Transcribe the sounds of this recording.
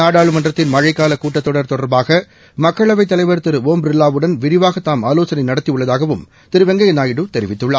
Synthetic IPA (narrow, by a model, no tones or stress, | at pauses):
naːɽaːɭɯmɐndrɐt̪ːɪnmɐɻɐɪkːaːlɐkuːʈːɐt̪ːɔɽɐɾt̪ɔɽɐɾbaːɣɐ | mɐkːɐɭɐʋɐɪt̪ːɐlɐɪʋɐɾt̪ɪɾɯoːmbɾɪlːaːʋɯɽɐnʋɪɾɪʋaːɣɐt̪ːaːmaːloːsɐnɐɪnɐɽɐt̪ːiɯɭːɐðaːɣɐʋɯm | t̪ɪɾɯʋɐŋɡɐjɐnaːjɪɽɯt̪ɛɾɪʋɪt̪ːɯɭːaː